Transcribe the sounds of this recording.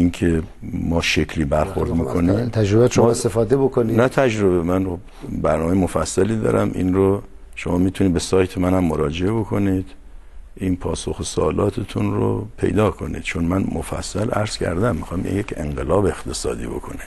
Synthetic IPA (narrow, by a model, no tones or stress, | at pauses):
inkʰemɒːʃekʰliːbæɾxo̞ɾd̪miːkʰo̞nit̪ʰæd͡ʒɾobæʃomest̪efɒːd̪ebokʰoninæt̪ʰæd͡ʒɾo̞βemænxob | bæɾnɒːmejemofæsːæliːd̪ɒ̰ːɾʔæmḭnɾo | ʃomɒːmiːt̪ʰuniːd̪̚besɒːjt̪ʰemænhæmːoɾɒːd͡ʒeebo̞kʰo̞niːd̪̥ | ʔinpʰɒːsoxesoːlɒːt̪ʰet̪ʰunɾo̰pʰe̞̰jd̪ɒːkʰo̞nḭːd̪̥t͡ʃʰonmænmofæ̰sːælʔæɾz̥cʲʰæ̰ɾd̪æmːixɒːmḭjekʰe̞̰ŋɢelɒːbext̪ʰe̞sɒ̰ːd̪ḭːbo̞̰kʰo̞̰ni